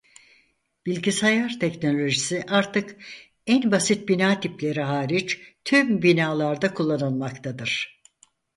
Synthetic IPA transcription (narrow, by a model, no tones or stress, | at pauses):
b̥ilʲɟisajaɾt̪ʰɛcno̞lʲo̞ʒisiʔaɾt̪ʰɯk | ænbasit̪̚binaːt̪ʰiplʲe̞ɾiɦaːɾit͡ʃt̪ʰymbinaːlˠaɾd̪akʰulˠːanɯlˠmakt̪ʰad̪ɯɾ̥